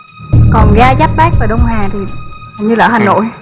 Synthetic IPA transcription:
kɔ˨˩nɣaː˧za˦˥p̚ɓaː˦˥k̚vaː˨˩ɗə˧wŋ͡mhaː˨˩t̪ʰi˨˩˨ŋ͡mɲɨ˧laː˧˨˩haː˨˩no̰˧˨j

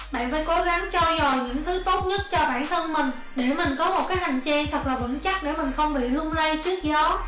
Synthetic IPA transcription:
ɓa̰ː˧˨nfaː˧˥jko˨˦ɣa˨˦ŋt͡ɕɔ˧zo˨˩jɲɨ̰˧˥ŋt̪ʰɨ˨˦t̪o˦˥t̚ɲə˦˥t̚t͡ɕɔ˧ɓa̰ː˧˨nt̪ʰə˧nmï˨˩ŋ̟ | ɗe˧˩mï˨˩ŋ̟kɔ˨˦mo˨˩t̚kaː˨˦jha˨˩jŋ̟t͡ɕɛː˧ŋt̪ʰə˨˩k̚laː˨˩və̰˧˥nt͡ɕa˦˥k̚ɗe˧˩mï˨˩ŋ̟xə˧wŋ͡mɓḭ˧˨lu˧ənlə˧jt͡ɕɨ˦˥ək̚zɔ˨˦

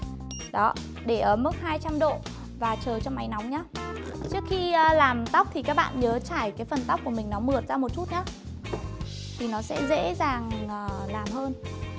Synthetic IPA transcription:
ɗɔ˨˦ | ɗe˧˩ʔəː˧˩mɨ˦˥k̚haː˧jt͡ɕa˧mɗo̰˧˨ | vaː˨˩t͡ɕəː˨˩t͡ɕɔ˧ŋ͡mʔa˨˦jna˨˦wŋ͡mɲaː˨˦t͡ɕɨ˦˥ək̚xi˧əː˧laː˨˩mt̪a˦˥wk͡p̚t̪ʰi˨˩kaː˦˥k̚ɓa̰ː˧˨nɲəː˨˦t͡ɕaː˧˩jkaː˨˦jfə˨˩nt̪a˦˥k͡p̚ku˧˩mï˨˩ŋ̟nɔ˨˦mɨ˨˩ət̚zaː˧mo˨˩t̚t͡ɕu˦˥t̚ɲaː˨˦˥ | t̪ʰi˨˩nɔ˨˦sɛ̰˧˥zḛ˧˥zaː˨˩ŋʔəː˨˩laː˨˩mɦəː˧n

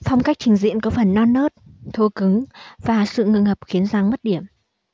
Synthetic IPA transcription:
fɔ˧wŋ͡mka˦˥k̟̚t͡ɕï˨˩ŋ̟zḭ˧˨ənkɔ˨˦fə˨˩nːɔ˧nːəː˦˥t̚t̪ʰo˧kɨ˨˦ŋvaː˨˩sɨ̰˧˨ŋɨ̰˧˨ŋhəː˨˩p̚xi˨˦ənzaː˧˩ŋmə˦˥t̚ɗi˧˩əm

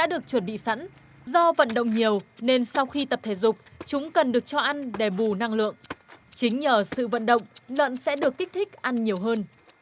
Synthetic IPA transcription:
ɗa̰ː˧˥ɗɨ˨˩ək̚t͡ɕwə˧˩nɓḭ˧˨sa̰˧˥n | zɔ˧və̰˧˨nɗə̰˧˨wŋ͡mɲi˨˩əwne˧nsa˧wxi˧t̪ə˨˩p̚t̪ʰe˧˩zʊ˨˩k͡p̚t͡ɕʊ˨˦ŋ͡mkə˨˩nɗɨ˨˩ək̚t͡ɕɔ˧ʔa˧nɗe˧˩ɓu˨˩na˧ŋlɨ̰˧˨əŋt͡ɕï˨˦ŋ̟ɲəː˧˩sɨ̰˧˨və̰˧˨nɗə̰˧˨wŋ͡mlwə̰ː˧˨nsɛ̰˧˥ɗɨ˨˩əkːi˦˥k̚t̪ʰï˦˥k̚ʔa˧nɲi˨˩əwɦəː˧n

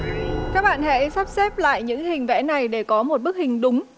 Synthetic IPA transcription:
kaː˦˥k̚ɓa̰ː˧˨nhḛ˧˥sa˦˥p̚sɛ˦˥p̚la̰ː˧˨jɲɨ̰˧˥ŋhï˨˩ŋ̟vɛ̰˧˥na˨˩jɗe˧˩kɔ˨˦mo˨˩t̚ɓk̚hï˨˩ŋ̟ɗʊ˨˦ŋ͡m

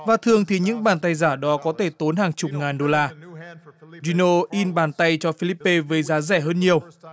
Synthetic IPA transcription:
vaː˨˩t̪ʰɨ˨˩əŋt̪ʰi˨˩ɲɨ̰˧˥ŋɓaː˨˩nt̪a˧jzaː˧˩ɗɔ˨˦kɔ˨˦t̪ʰe˧˩t̪o˨˦nhaː˨˩ŋt͡ɕʊ˨˩k͡p̚ŋaː˨˩nɗo˧laː˧ | zi˧no˧ʔi˧nɓaː˨˩nt̪a˧jt͡ɕɔ˧fi˧li˧˥pːe˧vəː˨˦jzaː˨˦zɛ˧˩ɦəː˧nɲi˨˩əw

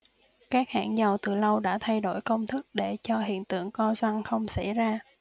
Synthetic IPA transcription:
kaː˦˥k̚ha̰ː˧˩nzə˨˩wt̪ɨ˨˩lə˧wɗa̰ː˧˥t̪ʰa˧jɗo˧˥˩jkə˧wŋ͡mt̪ʰɨ˦˥k̚ɗe˧˩t͡ɕɔ˧ɦḭ˧˨ənt̪ɨ̰˧˨əŋkɔ˧zwa˧nxə˧wŋ͡msa̰˧˥jzaː˧

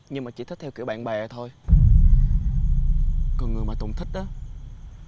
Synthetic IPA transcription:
ɲɨ˧ŋmaː˨˩t͡ɕḭ˧˦t̪ʰi˦˥k̚t̪ʰɛ˧wki˧˩əwɓa̰ː˧˨nɓaː˨˩˨t̪ʰo˧j | kɔ˧˩nŋɨ˨˩əjmaː˨˩t̪ə˨˩wŋ͡mt̪ʰï˦˥k̟̚ɗʔaː˨˦

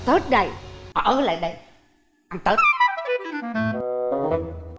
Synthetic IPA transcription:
t̪ə˦˥t̚ɗə˧˩jʔa˨˩ʔə˨˦la̰ː˨ɗə˧j | ʔa˧nt̪əː˦˥t̚

